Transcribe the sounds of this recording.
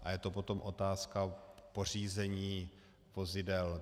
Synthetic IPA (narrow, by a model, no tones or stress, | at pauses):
ʔajɛt̪opo̞t̪o̞mʔo̞t̪aːskapo̞r̝iːzɛɲiː | vo̞zɪdɛl